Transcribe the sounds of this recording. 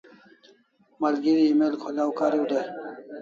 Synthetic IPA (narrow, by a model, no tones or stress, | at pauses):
mɐlɡiɾiːmelkʰolawkaɾiud̪aj